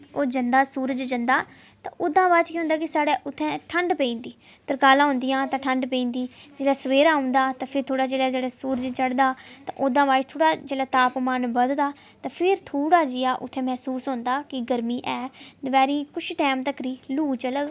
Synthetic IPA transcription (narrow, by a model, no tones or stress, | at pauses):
oːd͡ʒənd̪aːsuːɾəd͡ʒd͡ʒənd̪aːt̪ã̰ːʔʊd̪ãːʋaːt͡ʃkĩːʊ̃nd̪aːkɪsaːɽeːʔʊt̪ʰːɛ̃ːʈʰəɳɖpẽĩːnd̪iːt̪əɾkaːlãːɦʊ̃ːnd̪ɪjãːt̪ãːʈʰəɳɖpẽĩːnd̪iːd͡ʒeːlɛːsəʋeːɾãːɦʊ̃nd̪aːt̪ãːpʰɪɾt̪ʰoːɽaːd͡ʒeːlɛːd͡ʒeːɽɛːsuːɾəd͡ʒt͡ʃəɽd̪aːt̪ã̰ːʔʊd̪ãːbaːt͡ʃt̪ʰoːɽaːd͡ʒeːlɛːt̪aːpmanbəd̪d̪aːt̪ãːpʰɪɾt̪ʰoːɽaːd͡ʒɪːaːʔʊ̰t̪ʰːɛ̃ːmɛːsuːsɦõːnd̪aːkɪɡəɾmiːʔɛːd̪əbɛːɾĩːkʊt͡ʃʰʈɛːmt̪əkɾiːluːt͡ʃələɡ